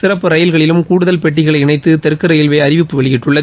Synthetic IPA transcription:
sɪrɐpːɯɾɐjɪlɣɐɭɪlɯmkuːɽʊðɐlpɛʈːɪɣɐɭɐɪɪɳɐɪt̪ːɯt̪ɛɾkːɯɾɐjɪlʋeːɐɾɪʋɪpːɯʋɐɭɪjɪʈrɯɭːɐ

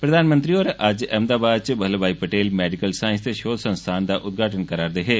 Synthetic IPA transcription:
pɾəd̪aːnmə̃nt̪ɾiɔːɾʔɐd͡ʒɛːmd̪aːbaːd̪̚t͡ʃbəɦlbaːipəʈeːlmɛːɖɪkəlsaːɪ̃nst̪eʃoːd̪sə̃nst̪ʰaːnd̪aːʔʊt̪̚ɡʱaːʈənkəɾaːɾd̪eːɦeː

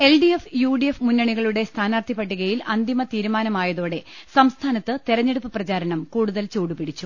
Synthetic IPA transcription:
e̞lɖijefjuːɖijefmunːɐɳiɣɐɭuɽe̞st̪ʰaːnaːrt̪ʰipːɐʈːiɣɐjilʔɐnd̪imɐt̪iːɾumaːnɐmaːjɐðoːɽe̞sɐmst̪ʰaːnɐt̪ːɨt̪iɾɐɲːeɽupːɨprɐt͡ɕaːɾɐɳɐmkuːɽuðɐlt͡ɕuːɽupiɽit͡ɕːu

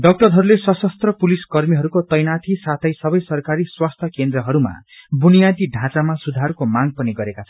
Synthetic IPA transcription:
ɖʌk̚ʈʌrɦʌɾulesʌsʌst̪rʌpuliskʌrmiɦʌɾukot̪ʌjnat̪ʰisat̪ʰʌjsʌbʌjsʌrkaɾiswast̪ʰʌkend̪ɾʌɦʌɾuma̰bunijad̪iɖʱãt͡samasud̪ʱaɾkomaɡpʌniɡʌɾekasʰʌ

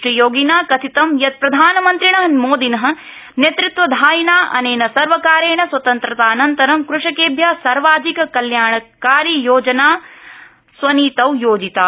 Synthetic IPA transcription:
ɾijoːɡinaːkɐt̪ʰit̪ɐmjɐt̪̚pɾɐd̪ʱaːnɐmɐnt̪ɾiɳɐɦɐmoːd̪inɐɦɐ̆ | njet̪ɾut̪ʋɐd̪ʱaːjinaːʔɐ̰neːnɐsɐɾʋɐkaːɾeːɳɐswɐt̪ɐnt̪ɾɐt̪aːɐnɐnt̪ɐɾɐmkɾuʂɐkeːbʱjaːsɐɾʋaːd͡ʒikɐkɐljaːɳɐkaːɾijoːd͡ʒɐnaː | sʋɐniːt̪ɐwjoːd͡ʒit̪aː

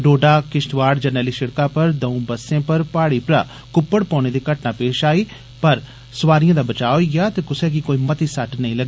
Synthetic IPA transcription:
ɖoːɖaːkɪʃʈʋaːɽd͡ʒənɛːliːʃɪɽkãːpəɾd̪əũːbəsːẽːpəɾpaːɽiːpɾa̰ː | kʊpːəɽpɔ̃ːneːd̪iːkəʈnaːpeːʃaːiː | pəɾ | sʊʋaːɾijãːd̪aːbət͡ʃaːoiɡɪjaːt̪ekʊseːk̬ikoːiːmət̪iːsəʈnəĩːləɡː

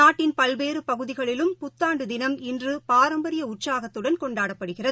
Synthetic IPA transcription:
aːʈːɪnpɐlʋeːɾɯpɐɣɯðɪɣɐɭɪlɯmpʊt̪ːaːɳɖɯd̪ɪnɐmɪndrɯpaːɾɐmbɐɾɪjɐʊʈsaːɣɐt̪ːɯɽɐnkɔɳɖaːɽɐpːɐɽɯɣɪrɐ

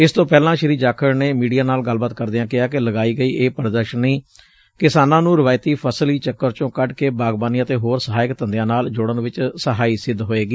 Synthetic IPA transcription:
ɪst̪õːpɛːlãːʃəɾiːd͡ʒaːkʰəɾneːmiːɖijaːnaːlɡəlbaːt̪̚kəɾd̪eãːkɪaːkɪləɡaːiːɡəiːʔeːpəɾd̪əɾʃəniː | kɪsaːnãːnũːɾɪʋaːɪt̪iːpʰəsliːt͡ʃəkːəɾt͡ʃõːkəʈkeːbaːɡbaːniːət̪eːɦoːɾsəɦaːɪkt̪ə̃nd̪jãːnaːld͡ʒoːɽənʋɪt͡ʃsəɦaːiːsɪd̪ːɦoːeːɡiː

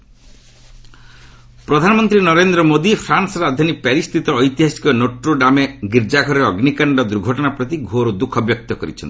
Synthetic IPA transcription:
pɾɔd̪ʱanɔmɔnt̪ɾinɔɾend̪ɾɔmod̪ipʰɾansɾad̪ʱɔnipɛɾist̪ʰit̪ɔːjt̪iɦasi̥kɔnoʈɾoɖameɡiɾd͡ʒaɡʱɔɾɔɾeɔɡnikaɳɖɔd̪uɾɡʱɔʈɔnapɾɔt̪iɡʱoɾud̪ukʰɔbjɔk̚t̪ɔkɔɾḭt͡ʃʰɔ̰ni̥

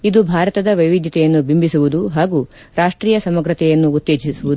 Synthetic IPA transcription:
id̪ubʱaːɾɐt̪ɐd̪ɐʋɐjʋid̪ʱjɐt̪ɛjɐnːubʱimbisuʋud̪uɦaːɡu | ɾaːʂʈɾiːjɐsɐmɐɡɾɐt̪ɛjɐnːuːt̪ːeːd͡ʒisuʋud̪u

